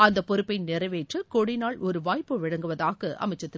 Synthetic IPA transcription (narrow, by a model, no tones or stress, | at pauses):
ɐnd̪ɐpːɔɾɯpːɐɪnɛɾɐʋeːʈrɯkɔɽɪnaːɭɔɾɯʋaːjpːɯʋɪɽɐŋɡɯʋɐðaːɣɐʔɐ̰mɐɪt͡ʃːɐt̪ːɪ